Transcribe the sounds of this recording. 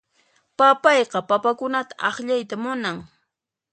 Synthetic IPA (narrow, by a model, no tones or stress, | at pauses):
papɑjqɑpapakʊnat̪ḁʔɑχʎajt̪amʊnaŋ